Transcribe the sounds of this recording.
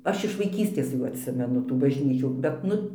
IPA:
ˈɐʃ ɪʃ ʋɐɪˈkʲiːsʲtʲeːs ˈjuː ɐtʲˈsʲɪmʲɛnʊ tuː bɐʒʲˈnʲiːt͡ʃʲuː bʲɛt ˈnʊ

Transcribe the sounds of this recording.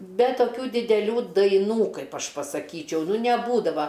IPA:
ˈbʲɛ toːˈkʲuː dʲɪdʲɛˈlʲuː dɐɪˈnuː ˈkɐɪp ˈɐʃ pɐsɐˈkʲiːt͡ʃʲɛʊ nʲɛˈbuːdɐʋɐ

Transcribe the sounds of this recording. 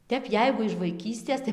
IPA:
ˈtʲɛp ˈjɛɪɡʊ ɪʃ ʋɐɪˈkʲiːsʲtʲeːs tɐɪ

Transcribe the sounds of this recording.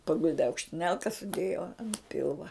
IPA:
pɐˈɡʊlʲdʲɪ ɐʊkʃʲtʲɪˈnʲɛlˠkɐ sʊˈdʲeːjoː ɐn ˈpʲɪlˠʋɐ

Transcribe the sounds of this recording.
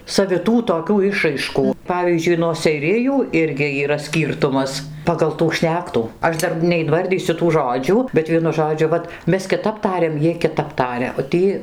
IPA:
sɐʋʲɪˈtuː toːˈkʲuː ˈɪʃrɐɪʃkuː ˈpɑːʋʲiːzʲd͡ʒʲʊɪ nuɔ sʲɛɪˈrʲɪjuː ˈɪrʲɡʲɪ iːˈrɐ ˈsʲkʲiːrtʊmɐs pɐɡɐlˠ tuː ˈʃʲnʲæːktuː ˈɐʃ ˈdɐr nʲɛɪnˈʋɐrʲdʲiːsʲʊ tuː ˈʒoːd͡ʒʲuː bʲɛt ˈʋʲiɛnʊ ˈʒoːd͡ʒʲʊ ˈʋɐt ˈmʲɛs kʲɪˈtɐp ˈtɑːrʲɛm ˈjiɛj kʲɪˈtɐp ˈtɑːrʲɛ oː ˈtʲiː

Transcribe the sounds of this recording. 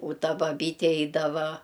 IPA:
ʊ ˈtɐ bɐˈbʲiːtʲɛ ˈɛɪdɐʋɐ

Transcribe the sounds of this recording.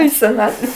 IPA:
iː sʲɛˈnɑːtʲʋʲɛ

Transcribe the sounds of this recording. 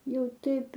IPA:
ˈjɛʊ ˈtɐɪp

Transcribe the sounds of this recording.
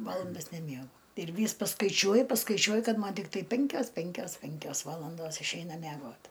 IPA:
ˈʋɑːlˠɐndɐs nʲɛˈmʲiɛɡʊ ɪr ˈʋʲiːs pɐskɐɪˈt͡ʃʲuɔjʊ pɐskɐɪˈt͡ʃʲuɔjʊ ˈkɐt ˈmɐn tʲɪkˈtɐɪ ˈpʲɪŋʲkʲoːs ˈpʲɪŋʲkʲoːs ˈpʲɪŋʲkʲoːs ˈʋɑːlˠɐndoːs ɪʃʲˈɛɪnɐ mʲæˈɡoːt

